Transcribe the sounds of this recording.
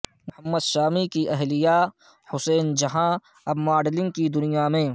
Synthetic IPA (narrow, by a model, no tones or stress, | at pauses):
mʊhəmːəd̪ʃaːmikiʔɛɦlijaː | hʊsɛːnd͡ʒɐɦã | ɐbmaːɖlɪ̃ŋɡ̚kid̪ʊnɪjamẽː